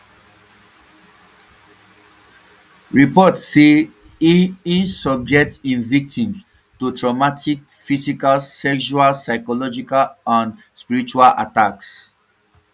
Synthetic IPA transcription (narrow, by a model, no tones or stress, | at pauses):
ɹipɔtse | ĩnsɔb̚d͡ʒɛk̚tĩnvik̚tĩms | tutʰɹɔmatʰik̚ | fisikalsɛkʃualsaɪkɔlɔd͡ʒikalãn | spiɹit͡ʃualʔa̰taks